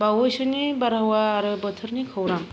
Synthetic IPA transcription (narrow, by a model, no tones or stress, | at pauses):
bawojsɯnebaɾawaːɾɯbətʰɯɾnikʰɯwɾam